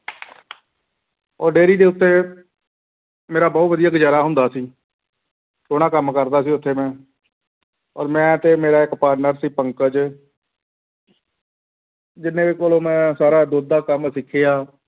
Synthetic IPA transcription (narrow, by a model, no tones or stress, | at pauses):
ɔːɾɖeːɾiːd̪eːʊt̪ːeː | meːɾaːbɔːt̪ʋəd̪ijaːɡəd͡ʒaːɾaːɦʊ̃nd̪aːsiː | soːɽaːkəmkəɾd̪aːsiːʊt̪ʰːeːmɛ̃ː | ɔ̰ːɾmɛ̃ːt̪eːmeːɾaːɪkpaːɾnəɾsiːpəŋkəd͡ʒ | d͡ʒɪnːẽːʋiːkoːlõːmɛ̃ːsaːɾaːd̪oːd̪aːkəmsɪkʰːeːaː